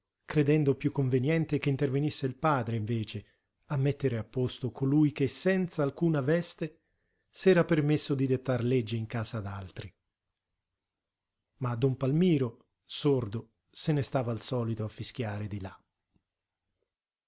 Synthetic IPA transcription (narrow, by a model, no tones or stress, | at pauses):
kɾed̪ɛnd̪opjukːoɱvenjɛnt̪ek̟eint̪ervenisːeilpaːd̪ɾeiɱveːt͡ʃe | amːɛt̪ːeɾeapːost̪okʰolujk̟esːɛnt̪saːlkuːnavɛst̪e | sɛːɾapermesːod̪id̪et̪ːarled͡ʒːiːŋkaːzaːd̪a̰lt̪ɾi | mad̪ɔmpalmiːɾo | sord̪o | senest̪aːvaːlsɔːlit̪oafːisk̟jaːɾed̪ila